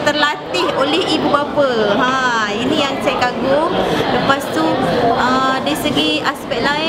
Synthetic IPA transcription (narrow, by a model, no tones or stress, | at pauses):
t̪ərlat̪ɪɦolɛɦibubapəɦãinijaŋt͡ʃajkaɡoləpast̪uədaisəɡiaspɛʔ̚la